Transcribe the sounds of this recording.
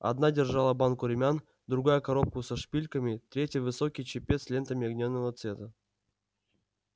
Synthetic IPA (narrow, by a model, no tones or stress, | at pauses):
a̰d̪nadʲɪrʐɑlˠəbɑnkʊɾʲɪmʲan | d̪ɾuɡajəkɐɾop̚kʊsɐʂpʲilʲkəmʲit̪ɾʲetʲjəjvɨsokʲijt͡ɕɪpʲet̪slʲe̞nt̪əmʲɪɐɡnʲonːəvət̪svʲet̪ə